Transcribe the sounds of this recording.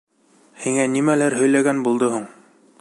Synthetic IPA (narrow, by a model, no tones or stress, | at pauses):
hiŋænimælæɾɦɵ̆jlæɡænbulˠd̪ohuɴ